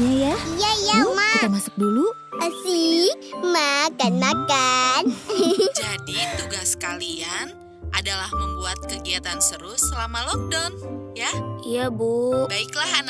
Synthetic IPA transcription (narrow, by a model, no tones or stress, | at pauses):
ɲajaijaijamait̪amasʊ̥k̚dulu | əsimakanmakand͡ʒadit̪uɡaskalian | ʔa̰dalahməmbuat̪̚kəɡiat̪ansəɾʊsːəlamalɔk̚danjaijabubaɪklahan